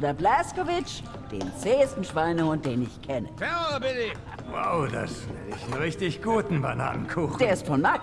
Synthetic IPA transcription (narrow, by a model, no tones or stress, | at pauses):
odɐblɛskovɪt͡ʃ | d̥ḛːnt͡seːstn̩ʃv̥aɪnəʊnd̥eːnɪçkʰɛnə̰fɛɐbɪnɪ | wa̰ʊda̰svɪnɪçn̩ʁɪçtɪçɡ̥uːtn̩bana̰ːnənkʰuːxd̥eːɐɪstfɔnma